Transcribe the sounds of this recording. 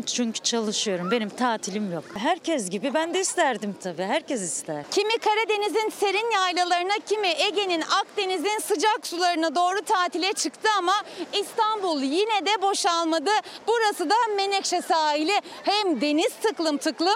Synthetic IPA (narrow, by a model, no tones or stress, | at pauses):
t͡ʃʰyɲcʰy̥t͡ʃʰalˠɯʃɯjo̞ɾumbe̞nimt̪ʰaːt̪ʰilʲimjokɦæɾcʰɛs̬ɟibibænd̪ɛist̪ʰæɾd̪imt̪ʰabiːɦæɾcʰɛsist̪ʰæɾ̥cʰimikʰaɾad̪e̞nizinse̞ɾinjajlʲˠalˠaɾɯnacʰimiʔeɟe̞ninak̚d̪e̞nizinsɯd͡ʒaksulˠaɾɯnad̪o̞ːɾut̪ʰaːt̪ʰilʲɛt͡ʃʰɯkt̪ʰɯamaist̪ʰanbulˠjinɛd̪ɛbo̞ʃalˠmad̪ɯbuɾasɯd̪ame̞nɛkʃɛsaːɦilʲi | hɛmd̪e̞niz̥t̪ʰɯklˠɯmt̪ʰɯklˠɯm